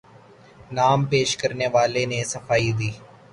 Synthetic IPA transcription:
naːmpeːʃkɐɾneʋaːlenesɐfaːid̪iː

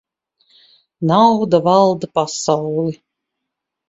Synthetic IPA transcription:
nawd̪avalˠd̪apasawlˠi

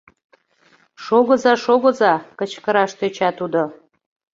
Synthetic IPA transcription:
ʃoɣə̆zɑʃoɣə̆zɑkət͡ɕkəɾɑʃt̪øt͡ɕɑt̪ud̪o

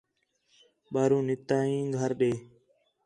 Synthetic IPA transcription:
ɓaːɾũːnɪt̪ãːĩːɡʱəɾɗeː

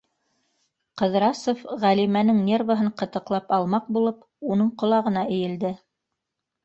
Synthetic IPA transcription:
qɤ̆ðɾɑsofʁælimænɘŋnʲe̞rvəɦɤɴqɤ̆t̪ɤ̆qlˠɑpɑlˠmɑq̚bulˠɤp | unɤɴqŏlˠɑʁɤ̆nɑʔɘ̆jɘ̆ld̪ɘ

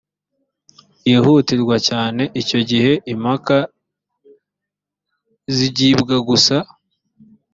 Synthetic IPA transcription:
jehutiɾɡwacaːne̞ʔico̞ɟihe̞ʔimhaka | ziɟiːbɡaɡusa

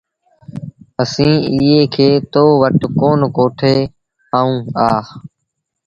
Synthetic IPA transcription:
əsĩːiːeːkʰeːt̪oːʋəʈkoːnkoːʈʰeː | aːũːaː

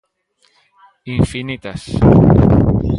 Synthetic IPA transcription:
iɱfinit̪as

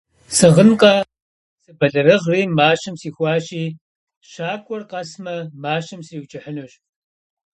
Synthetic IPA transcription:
sɨʁənqʼɐ | sɨbɐɮɐɾɨʁriːmaːɕɐmsiːxʷɑːʃiː | ʃaːkʷʼɔrqɐsmɐmaːɕɐmsriːwt͡ʃʼɐħənuːɕ

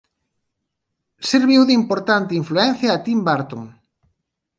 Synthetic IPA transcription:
seɾβiwðimpoɾt̪ant̪ɪiɱfluɛn̟θjaːt̪imbaɾt̪oŋ

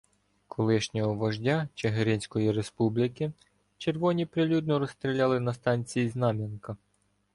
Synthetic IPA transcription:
kʰɔlˠɪʃnʲɔɦɔʋɐʒdʲat͡ʃeɦeɾʲɪnʲsʲkɔjiɾe̞spublʲɪkɪ | t͡ʃe̞rʋɔnʲipɾɪlʲud̪̚nɔɾɔst̪ɾʲilʲɑlˠɪnɐst̪ɑnʲt͡sʲijiznɑmʲinkɐ

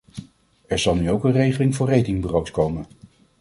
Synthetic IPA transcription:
ɛɹzɑlˠnyowkənrejχəlɪŋvʊːɹrejtɪŋbərowtskowmən

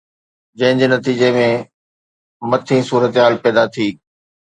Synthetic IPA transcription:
d͡ʑɐ̃ɦɪ̃ɲd͡ʑeːnɐt̪iːd͡ʑemẽ | mɐt̪ʰĩːsuːɾət̪ɦaːlpɛːd̪at̪ʰiː

